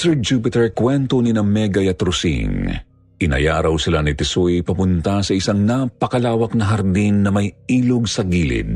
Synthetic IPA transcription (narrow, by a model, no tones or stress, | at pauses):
sɛɹd͡ʒupɪt̪ɛɹkwɛnt̪oninɐmɛɡɐjɐt̪ɾʊsḭŋ | ʔɪnɐ̰jaːɾɐwsɪlanɪt̪ɪsojpɐpʊnt̪asɐɪsaŋnapɐkɐlaːwɐk̚nɐɦɐɾd̪inːɐmɐjiːlʊɡsɐɡiːlɪ̰d̪̚